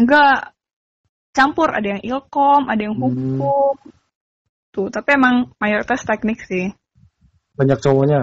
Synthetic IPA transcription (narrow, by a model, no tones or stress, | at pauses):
ŋɡa | t͡ʃampʊɾa̰dajaŋʔilkɔmʔadajaŋɦukʊm | t̪ʊt̪apiemaŋmajoɾit̪ast̪ɛk̚nɪksɪh | baɲak̚t͡ʃowɔɲa